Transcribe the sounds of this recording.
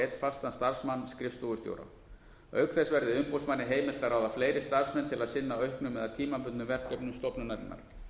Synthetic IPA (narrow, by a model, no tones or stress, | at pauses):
t̪fast̪anst̪aɾ̥smanːskɾɪfst̪uɣʏst̪jo̰wɾa̰ | œ̰ɥkθɛsvɛɾðɪʏmpowsmanːɪɦeːjmɪl̥t̪araːwðafleːjɾɪst̪aɾ̥smɛnt̪ʰɪlaðsɪnːaœɥhknʏmɛðaðt̪ʰiːmapʏnʏvɛɾkœpnʏmst̪ɔpnʏnɛt̪na̰ɾ